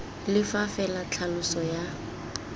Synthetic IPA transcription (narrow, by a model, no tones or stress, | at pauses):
lɪfafɛlat͡ɬʰalʊsɔja